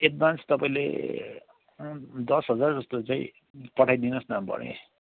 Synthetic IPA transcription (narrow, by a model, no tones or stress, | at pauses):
eʈ̚banst̪ʌpaĩlḛ | d̪ʌsɦʌd͡zard͡zʌst̪ot͡sãĩ | pʌʈʰajd̪inʌsnambʌ̰ɽḛ